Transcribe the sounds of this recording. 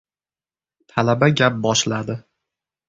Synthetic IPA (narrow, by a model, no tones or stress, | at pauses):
t̪ʰalabaɡʲap̚bɒʃlad̪ɪ